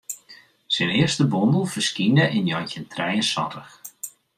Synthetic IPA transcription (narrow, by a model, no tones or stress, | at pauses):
sɪnɪərstəbɔndəlˠfərskinəʔɪnjɔjntəntʰrɛjənsɔ̰təx